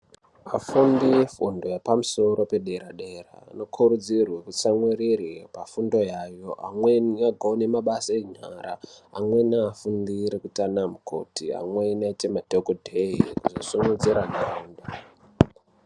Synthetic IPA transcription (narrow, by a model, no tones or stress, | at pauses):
afundiefundo̞japamuso̞ɾo̞pe̞ɗe̞ɾaɗe̞ra̰no̞kʰuɾud͡zirwekut͡samwiriripafundo̞jajo̞ʔa̰mweaɡʱoonemaɓasaeɲaɾa̰amwe̞naːfundiɾekutanamukʰo̞̰tia̰mwenet͡ʃemadʱokodʱeɦikuzosuŋud͡ziɾaɡʱauːnda